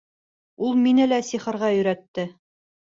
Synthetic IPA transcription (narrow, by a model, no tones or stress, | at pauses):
ulˠminɘ̆læsiχɤ̆ɾʁɑjɵ̆ɾæt̪ːɘ